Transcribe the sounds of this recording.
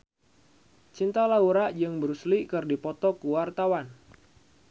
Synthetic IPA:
t͡ʃint̪alauɾaʔd͡ʒɨŋbəɾuslikɨrdipɔt̪ɔkuwart̪awan

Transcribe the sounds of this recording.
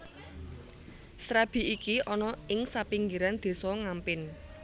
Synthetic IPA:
sɾab̥i̤ikiʔɔnɔɪŋsapiŋɡiɾand̪̥e̤sɔŋampɪn

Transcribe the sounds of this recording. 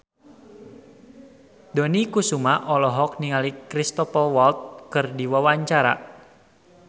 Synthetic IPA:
d̪ɔnikusumaʔɔlɔɦɔk̚niŋalikɾist̪ɔpɔlwɔlt̪̚kɨrdiwawaɲt͡ʃaɾa̰

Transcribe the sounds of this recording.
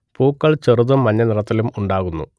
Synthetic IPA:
puːkːɐɭt͡ɕeruðumːɐɲːɐnirɐt̪ːɐlumuɳɖaːɣunːṵ

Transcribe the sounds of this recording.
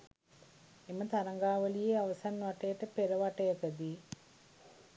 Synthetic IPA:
imːɐt̪ɐɾɐŋɡaːʋɐlijeɐʋɐsannɐʈːeːʈːɐpeɾɐʋaʈːekɐd̪i

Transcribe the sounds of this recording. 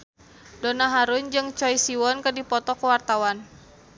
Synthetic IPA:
dɔnaɦaɾund͡ʒɨŋt͡ʃɔjsiwɔnkədipɔt̪ɔkəwart̪awan

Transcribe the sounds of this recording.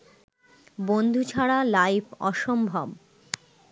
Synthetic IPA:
bond̪ʱut͡ɕʰaɽalajpʰɔ̰ʃombʱab

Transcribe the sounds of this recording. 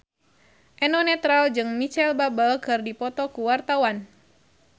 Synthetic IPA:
ʔɛnɔnɛt̪ɾald͡ʒɨŋmit͡ʃɛlbabəlkɨrdipɔt̪ɔkuwart̪awan

